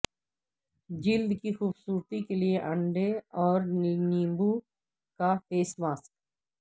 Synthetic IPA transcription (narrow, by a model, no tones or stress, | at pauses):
d͡ʒɪld̪kixuːbsuːɾt̪ikelieʔɐ̃ɳɖeɔːɾnnĩːmbu | kafeːsmaːsk̚